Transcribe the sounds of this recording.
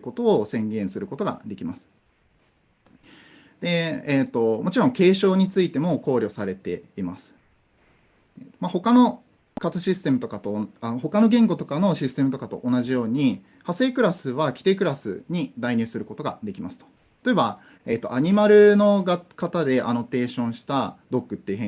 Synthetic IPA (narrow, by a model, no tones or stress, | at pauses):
ko̞t̪o̞ːsẽ̞ŋɡẽ̞ɰ̃sɨɾɯ̟ko̞t̪o̞ɡa̰d̪e̞kʲimasɨ̥ | d̪̥e̞ːt̪ːo̞mo̞t͡ɕiɾõ̞ŋke̞ːɕo̞ːɲ̟it͡sɨit̪e̞mo̞ko̞ːɾʲo̞saɾe̞t̪e̞̰imasɨ̥ | maho̞kano̞ | kat̪ɨɕisɨ̥t̪e̞mɯ̟t̪o̞kat̪oaho̞kano̞ɡẽ̞ŋɡo̞t̪o̞kano̞ɕisɨ̥t̪e̞mɯ̟t̪o̞kat̪o̞̰ʔonaʑijo̞ːɲ̟i | hase̞ːkɯ̟ɾasɨβ̞akʲi̥t̪e̞ːkɯ̟ɾasɨ̰ɲ̟id̪aiɲ̟ɨ̟ːsɨɾɯ̟ko̞t̪o̞ɡa̰d̪e̞kʲimasɨ̥o̥ | t̪ːt̪o̞eba | e̞ːt̪ːo̞̰aɲ̟imaɾɯ̟no̞ɡakat̪ad̪e̞ʔa̰no̞t̪e̞ːɕõ̞ɰ̃ɕi̥t̪ad̪o̞kːɯ̟t̪ːeiɯ̟ɦẽ